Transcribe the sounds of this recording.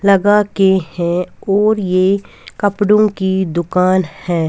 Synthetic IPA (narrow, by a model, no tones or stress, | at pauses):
lɐɡakehɛ̃ɔːɾje | kəpɽõkid̪ʊkaːnhɛ̃ː